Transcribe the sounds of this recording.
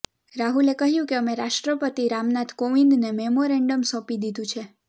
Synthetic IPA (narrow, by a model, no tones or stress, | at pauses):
ɾaɦulekəɦjũkeəmeɾaʃʈɾəpət̪iɾamnat̪ʰkoʋind̪nemɛmoɾɛɳɖəmsɔ̃pid̪id̪ũt͡ʃʰe